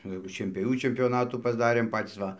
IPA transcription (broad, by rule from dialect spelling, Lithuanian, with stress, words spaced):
jɛʊ ʃʲiɛnʲpʲoːˈʋʲuː t͡ʃʲɛmʲpʲoːˈnɑːtuː pɐzˈdɑːrʲeːm ˈpɑːtʲiːs ˈʋɐ